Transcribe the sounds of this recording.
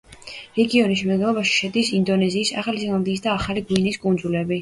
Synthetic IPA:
ɾɛɡiɔniʃ̬mɛd̪ɡ̪ɛlˠɔbaʃi̥ʃɛd̪isind̪ɔnɛziːsa̰χalisilˠand̪iːs̬d̪aːχaliɡwiniskʼund̪zulɛbi

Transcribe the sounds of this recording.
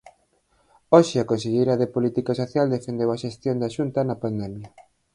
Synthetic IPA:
oʃɪakõnseʎejɾɐðepolit̪ikɐsoθjald̪efend̪ewɐʃest̪jond̪aʃunt̪ɐnɐpand̪ɛmjɐ

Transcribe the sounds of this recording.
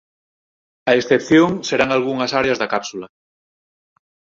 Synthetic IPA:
aesθepθjoŋseɾaŋalɣ̞uŋɐsaɾeazðakapsula

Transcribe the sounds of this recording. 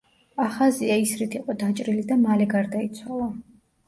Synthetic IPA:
aχaziaisɾit̪ʰiqʼɔd̪at͡ʃʼɾilid̪amalɛɡaɾd̪ait̪sʰwalˠa

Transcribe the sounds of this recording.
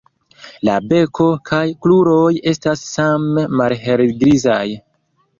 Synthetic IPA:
la̰be̞kʰo̞kʰajkluɾoje̞stasːameːalɦe̞lɡɾizaj

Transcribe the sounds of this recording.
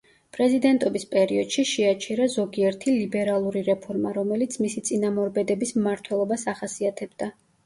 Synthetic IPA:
pʼɾɛzid̪ɛnt̪ʼɔbispʼɛɾiɔd̪̥ʃiʃɛat͡ʃʰɛɾazɔɡiɛɾt̪ʰilibɛɾalˠuɾiɾɛpʰɔɾmaɾɔmɛlit̪sʰmisit̪sʼinamɔɾbɛd̪ɛbismmaɾt̪ʰwɛlˠɔbasaχasiat̪ʰɛbd̪̥a

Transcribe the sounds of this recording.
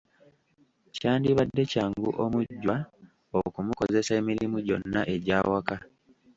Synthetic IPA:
caːndiβadːe̞caːŋɡṵʔomuɟːwa | okumuko̞ze̞sae̞miɾimuɟo̞nːaʔe̞ɟaːwaka

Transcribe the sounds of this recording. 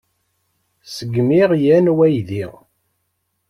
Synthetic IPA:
səɡːmiʁjænwæjðiʁ

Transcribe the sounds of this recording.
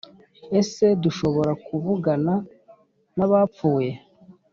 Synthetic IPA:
e̞se̞duʃo̞βo̞ɾakuvuɡana | naβaːpp͡fuːje̞

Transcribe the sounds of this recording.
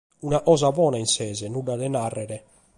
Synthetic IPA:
unaʔɔːzabɔːnainsɛːzɛnuɖːad̪ɛnarːɛɾɛ

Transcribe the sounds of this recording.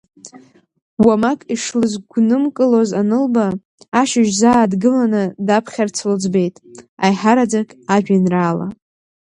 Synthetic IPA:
wamakʼiʂlɨzɡʷnɨmkʼɨlozanɨlbaː | ʃaʒzaːdɡɨlanɨdapʰχʲart͡sʰɨld͡zbe̞jtʼajħaɾad͡zakʼaʒᶣanraːla̰

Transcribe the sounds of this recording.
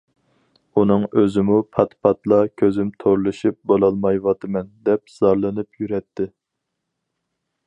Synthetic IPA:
unɨŋøzɪmupʰɑt̪pʰɑt̪lˠɑkʲʰøzɪmt̪ʰoɾlˠɨʃip̚bolˠɑlˠmɑjwɑt̪ɨmɛnd̪ɛp̚z̥ɑɾlˠɨnɨpjyɾɛt̪ʰːɪ

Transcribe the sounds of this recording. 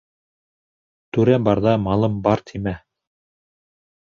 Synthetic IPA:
t̪ʉɾæbɑɾðɑmɑlˠɤmbɑɾt̪ʰimæ

